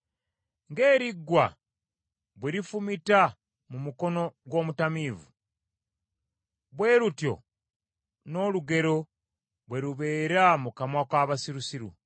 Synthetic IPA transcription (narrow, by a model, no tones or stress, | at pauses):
ŋɡeːɾiɡːwa̰ | βweɾifumita | mumuko̞no̞ɡwo̞ːmutamiːvṵ | βwe̞ːɾutjo̞̰ | no̞ːluɡe̞ɾo̞ | βwe̞ɾuβe̞ːɾamukamwakwaːβasiɾusiɾṵ